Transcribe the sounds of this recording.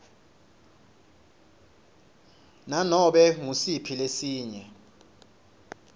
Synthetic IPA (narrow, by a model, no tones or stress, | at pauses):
nanɔɓɛŋusipʰilesiːɲɛ